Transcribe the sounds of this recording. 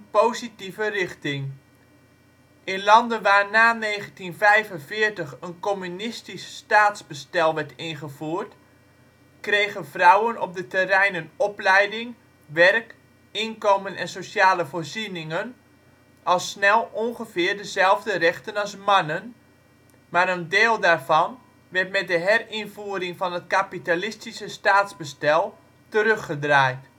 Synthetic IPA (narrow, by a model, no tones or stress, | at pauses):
powzitivərɪχtɪŋ | ʔɪnlɑndənʋaːrnaːnejχəntinfɛjvənvɪːrtəχənkomynɪstisːtaːtzbəstɛlˠʋɛɹtɪnχəvuːrt | krejɣənvrʌwənɔp̚dətɛrɛjnənɔplɛjdɪŋ | ʋɛrk | ɪnkowmənɛnsosjaːləvoːrzinɪŋən | ɑlˠsːnɛlˠɔnɣəvɪːrdəzɛlˠvdərɛxtənalˠsmanən | maɾəndeːlˠdaːrvɑn | ʋɛrtmɛt̚dəɦɛrɪnvuəɾɪŋfɑnətkapitalɪstisəstaːtzbəstɛlˠ | təɾøxədraːjt